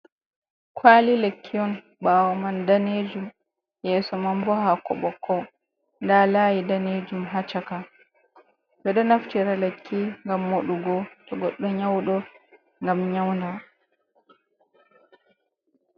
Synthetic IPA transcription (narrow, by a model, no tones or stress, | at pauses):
kʰwaːlilekʰːiɔn | ɓaːwɔmandaned͡ʒum | jɛːsɔmambɔhakɔ̰ɓɔkʰːɔ | ndalaːjidaned͡ʒumɦat͡ʃaka | ɓɛɗɔnaftiɾalekʰːiŋɡamːoɗuɡɔtɔɡɔɗːɔɲawɗɔ | ŋɡamɲawnda